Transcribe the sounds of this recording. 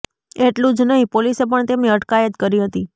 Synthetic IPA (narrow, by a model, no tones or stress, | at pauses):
eʈlũd͡ʒnəɦĩpolisepəɳt̪emneəʈkajət̪kəɾiɦət̪i